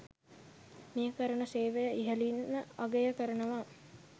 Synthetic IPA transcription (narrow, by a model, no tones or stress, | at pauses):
miəkəɾəɳəseːʋejəʔiɦəlinməaɡejəkəɾənəʋa